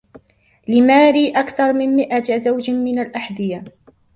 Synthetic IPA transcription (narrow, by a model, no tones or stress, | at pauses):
lɪmaːɾiːʔakθɑɾˤmɪmmɪʔazawd͡ʒmɪnalʔaħd̪ɪja